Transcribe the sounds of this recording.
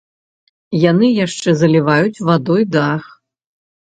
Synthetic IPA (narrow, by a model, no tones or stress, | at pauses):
janɨjaʂt͡ʂɛzɐlʲivajut͡sʲvad̪ɔjd̪ax